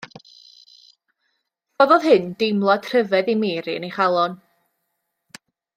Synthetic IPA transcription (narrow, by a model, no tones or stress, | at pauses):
b̥ɔvɔðɦɨnd̥ɪmlˠɔdʰr̥əvɛðimeːɾiəneχalˠɔn